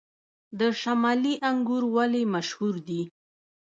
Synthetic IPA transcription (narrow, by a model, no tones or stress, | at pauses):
d̪əʃamɑliʔaŋɡuɾwalimaʃhuɾd̪i